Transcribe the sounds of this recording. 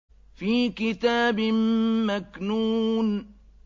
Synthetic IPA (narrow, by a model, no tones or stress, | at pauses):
fiːkɪt̪aːbɪmmaknuːn